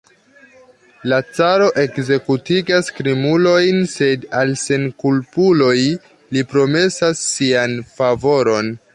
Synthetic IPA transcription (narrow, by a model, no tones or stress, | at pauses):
lat͡saɾo̞ʔe̞kze̞kutiɡaskɾimulo̞jnse̞dalse̞nkulpulo̞j | lipɾo̞me̞sasːianfavo̞ɾo̞n